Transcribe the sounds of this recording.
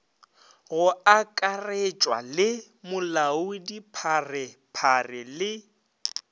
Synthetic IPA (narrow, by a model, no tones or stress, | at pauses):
ɣʊakʼaret͡ʃʼwa̰lɪ | mʊlaʊdipʰarɪpʰarɪlɪ